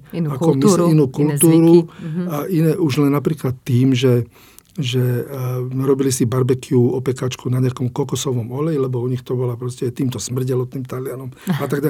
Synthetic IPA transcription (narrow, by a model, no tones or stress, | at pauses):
aɔminuːkult̪uːɾuaʔinɛːʔuʒlɛnːapɾiːklat̪ːiːmʒɛ | ʒɛ | ɾɔbilisibaɾbɛkʰiuɔpɛkaːt͡ʃkunaɲɪakɔmkɔkɔsɔʋɔmɔlɛjilɛbɔuɲixt̪ɔbɔlapɾɔscɛt̪iːmt̪ɔsmr̩ɟɛlɔt̪iːmt̪alɪanɔmat̪aɡɟa